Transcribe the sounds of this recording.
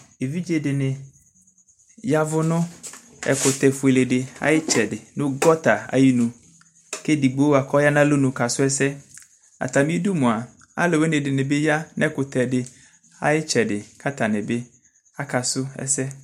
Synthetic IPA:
e˨vi˦d͡ʒe˨dɪ˨nɪ̃˨ | ja˦vʊ˦nʊ̃˦ | ɛ̰˨kʊ˨t̪ɛ˨fʊ˨e˨le˨dɪ˨a̰˦jɪ˦t͡ʃʰɛ˨dɪ˨nʊ̃˦ɡɔ˦ta˨a̰˨ji˦nũ˨ | ke˦di˨ɡ͡bo˦˨a˨kʰɔ˦ja˦nã˦lo˦nũ˨ka˨sʊ˦ɛ˦sɛ˦ | a̰˨t̪a˨mĩ˦du˦mʊ̃˨a˨ | a̰˦lo˨we˦nɪ̃˨dɪ˨nɪ̃˨be˦ja˦nɛ˦kʊ˨t̪ʰɛ˨dɪ˨ | a̰˨jɪ˦t͡ʃɛ˨dɪ˨kʰa˦t̪ʰa˨nɪ̃˨be˦ | a˦kʰa˨sʊ˦ɛ̰˦sɛ˦

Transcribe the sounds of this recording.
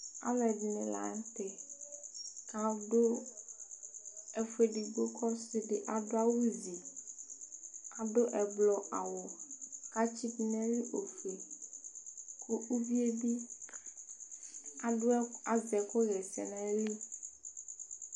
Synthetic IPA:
a̰˦vɛ˨di˨nɛ̃˨la̰˨˦ŋ˦t̪ɛ˨ | ka˨ɖo˦ | ɛ˨fe˦ɖi˨ɡ͡bo˦kʰɔ˦se˦ɖe˨ʔa˨ɖo˦a˦wu˦zi˨ | a˨ɖo˦ʔɛ˨blɔ˨ʔa˨wɔ˨ka˦t͡ʃi˦bi˦nɛ̃˦li˦ʔo˨fe˨ | kʰo˦ʔu˦vi˦e˦bi˦ | a˨ɖo˦a˨zɛ˨ko˦ɣɛ˨sɛ̰˨nɛ̃˦li˦

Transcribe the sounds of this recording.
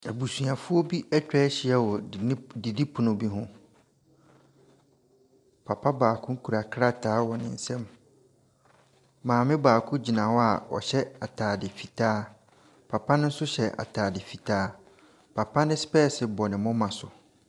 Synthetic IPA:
ɛ˨bu˨su˨ã˨fʊ˦ɔ˦bi˦ɛ˦t͡ɕᶣɛː˦ɕɪ˦ɛ˦wɔ˨di˨di˦pʰʊ˨nʊ̃˨bi˦ɦʊ̃˦ | pʰa˨pʰa˦baː˨kʰʊ̃˦ŋ̩˦kʰu˨ɾa˨kʰɾa˦tʰaː˨˦wɔ˨nɪ̰̃˨n̩˨sɛ̃˦m | mãː˨mɪ̃˦baː˨kʰʊ̃˦d͡ʑi˨nã˨wɔ˦a˨wɔ̰˨ɕɛ˦a˨tʰaː˨dɪ˨fi˨tʰaː˦ | pʰa˨pʰa˦nɪ̃˦n̩˦sʊ˦ɕɛ˨ʔa̰˨tʰaː˨dɪ˨fi˨tʰaː˦ | pʰa˨pʰa˦nɪ̃˦spɛː˦˨sɪ˨bɔ˨nɪ̃˨mʊ̃˦mã˨sʊ˨

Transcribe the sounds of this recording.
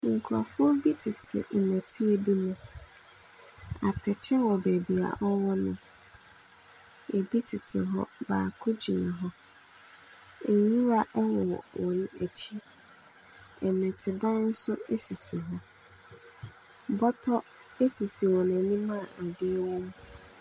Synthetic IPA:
kʰu˨ɾa̰˨fʊ˦ɔ˦bi˦tʰɪ˨tʰɪ̰˨n̩˨nɛ̃˨tʰɪ˦e˨bi˦nʊ̃˨ | a̰˨tʰɛ˨t͡ɕʰɛ˦wɔ˨bæ˨bi˨a̰˨ʔɔ˦wɔ˦nʊ̰̃˨ | e˨bi˦tʰɪ˨tʰɪ˨ɦɔ̰˦baː˨kʰʊ˦d͡ʑi˨nã˨ɦɔ˦ | e˨ɲĩ˦ɾa˦ʔɛ˦wɔ˨wɔ̰˨wʔɔ̃˨nʊ̃˦æ˨t͡ɕʰi˦ | ɛ˨nɛ̃˨tʰɪ˨dã˦n̩˦sʊ˦e˦si˨si˨ɦɔ˦ | bɔ˦tʰɔ˦ | e˦si˨si˨wɔ˨nã˨nĩ˦mã˦˨a˨dɪ˦ɛ˦wɔ̃˦mũ˦

